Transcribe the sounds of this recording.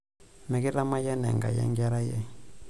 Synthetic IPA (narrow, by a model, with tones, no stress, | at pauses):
mɛ˨kɛ˦ɾa˦ma˦ja˦nɛ˨ŋɡa̰˨jɛ̰˦ŋɡa˦ɾa˦jɛ˦